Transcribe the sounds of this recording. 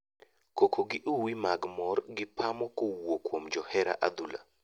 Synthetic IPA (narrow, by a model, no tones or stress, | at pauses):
kokʰoɡɪʔuwimaɡmɔrɡɪpʰamɔkowokwomd͡ʒɔhɛɾa̰ʔad̪ula̰